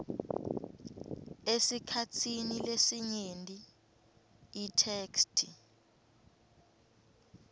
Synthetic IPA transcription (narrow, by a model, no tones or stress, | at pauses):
esikʰatʰinilesiɲentʼi | tʰeːkstʰi